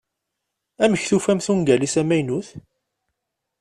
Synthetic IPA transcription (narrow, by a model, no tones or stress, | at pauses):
æməçθufæmθuŋɡælisæmæjnuθ